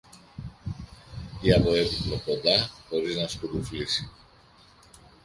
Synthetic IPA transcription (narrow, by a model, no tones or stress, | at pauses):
t̪iɐpo̞e̞pit̪lo̞ko̞nd̪ɐxo̞ɾiznɐskuɾuflisi